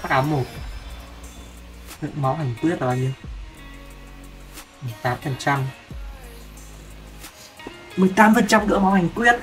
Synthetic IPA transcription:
aː˦˥k̚ʔaː˨˦mo˨˩t̚ | kɨ̰˧˨mɔ˨˦wɦa˨˩jŋ̟kwi˦˥ət̚ʔa˧ɲi˧ | mɨ˨˩əjt̪aː˨˦mfə˨˩nt͡ɕa˧m | mɨ˨˩əjt̪aː˨˦mfə˨˩nt͡ɕa˧mkɨ̰˧˥ma˨˦wha˨˩jŋ̟kwi˦˥ət̚

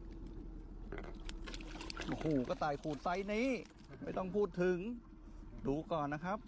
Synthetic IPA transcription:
ʔhoː˨˩kɔː˥˩t̪aː˨˩jkʰuː˨˩t̪̚sa˦˥jniː˦˥ | ma˥˩jt̪ɔ˥˩ŋpʰuː˥˩t̪ʰːɯ˨˦ŋ | duː˧kɔː˨˩nːa˦˥kʰa˦˥p̚

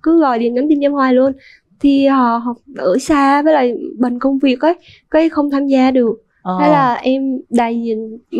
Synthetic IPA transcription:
kɨ˨˦ɣɔ˨˩jɗḭ˨˧˨əna˨˦mt͡ɕi˧nɲə˧mhwaː˨˩jlu˧ən | t̪ʰi˨˩hɔ̰˧˨ɦɔ˨˩ɨ˧˩saː˧vaː˨˦jlaː˨˩ɓə˨˩ŋ̟kə˧wŋ͡mvi˨˩ək̚ʔəː˨˦ | kaː˨˦jxə˧wŋ͡mt̪ʰaː˧mzaː˧ɗɨ˨˩ək̚ː | a˨˦laː˨˩ʔɛ˧mɗa̰ː˧˨˩jzḭ˨n

